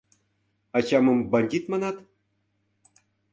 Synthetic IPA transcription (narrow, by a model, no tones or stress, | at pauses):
ɑt͡ɕɑmɤ̆mbɑnʲd̪ʲit̪mɑnɑt̪